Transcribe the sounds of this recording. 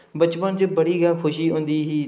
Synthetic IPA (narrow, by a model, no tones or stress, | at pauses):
bət͡ʃpənt͡ʃebəɽiːɡaːkʰʊʃiːɦõːnd̪iːɦiː